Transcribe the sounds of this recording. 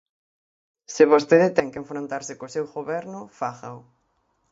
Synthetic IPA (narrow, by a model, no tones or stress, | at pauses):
sɪβost̪eðɪt̪ɛŋkeɱfɾont̪aɾsɪkosewɣoβɛɾnʊfaɣaw